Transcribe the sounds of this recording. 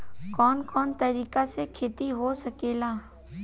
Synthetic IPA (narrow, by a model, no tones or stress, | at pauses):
kɔːnkɔːnt̪ɐɾiːkasekʰeːt̪iɦosɐkeːlaː